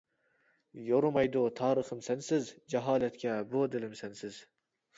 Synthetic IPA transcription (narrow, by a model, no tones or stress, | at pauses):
joɾʊmɑjd̪ʊt̪ʰɑːɾɨχɨmsænsɪzd͡ʒɑɦɑːlæt̪kʲæbod̪ɪlɪmsænsɪz̥